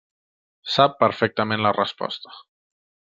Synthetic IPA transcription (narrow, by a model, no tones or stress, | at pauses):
sapːəɾfɛk̚t̪əmẽnlərəspɔ̰st̪ə̥